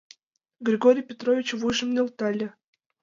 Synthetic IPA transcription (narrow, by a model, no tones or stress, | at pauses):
ɡɾʲiɡoɾʲijpʲet̪rovʲit͡ɕvujʒə̆mnʲelˠt̪ɑlʲĕ